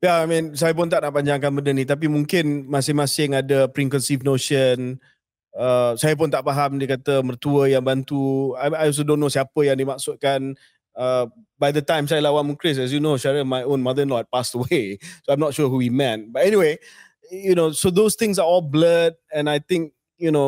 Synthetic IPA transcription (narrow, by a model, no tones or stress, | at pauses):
jaajmĩns̬ajəp̬ʊnt̪aʔnaʔpaɲd͡ʒaŋkanbəndənĩt̪ap̬imũŋkɪnmasɪmasɪŋadəpɾiŋkə̃nsifnoʃən | əsajəp̬ʊnt̪aʔpaɦamdiəkat̪əmərt̪uəjaŋbant̪uaajɔlsodõnːosiapəjãŋdimak̚sʊt̪̚kan | ə | bajdətãjmsajəlawanmukɾɪs̬ɛs̬junoʃaɹəmajõnmad̪ənlɔɛt̚pastəwesoãjmnɔt̚ʃuəɦuwimɛt̚batɛniwe | junosod̪ost̪ɪ̃ŋs̬aɔlbləd̚ɛ̃najt̪ɪ̃ŋk̚ | juno